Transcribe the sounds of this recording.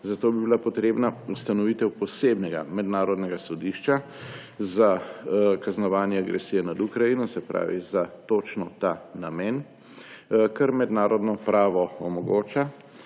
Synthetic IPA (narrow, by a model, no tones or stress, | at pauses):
zat̪oːbibilapɔt̪ɾeːbnaust̪anɔʋit̪ɛwpɔseːbnɛɡa̰mɛd̪naːɾɔd̪nɛɡasɔd̪iʃt͡ʃa | zakaznɔʋaːnjɛaɡɾɛsijɛnad̪ukɾajinɔsɛpɾa̰ːʋḭzat̪oːt͡ʃnɔt̪anamɛːn | kɛɾmɛd̪naːɾɔd̪nɔpɾaːʋɔɔmɔɡoːt͡ʃa